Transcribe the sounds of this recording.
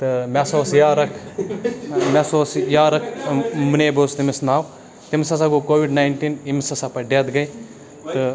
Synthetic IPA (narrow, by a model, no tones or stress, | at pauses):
t̪ɨmʲasoːsjaːɾɐkʰ | mʲesoːsjaːɾɐkʰmuneːbost̪imisnaːw | t̪imsɐs̬aɡokoːʋiɖnaːjnʈinimsɐsapɐɖeːt̪ɡɐj | t̪ɨ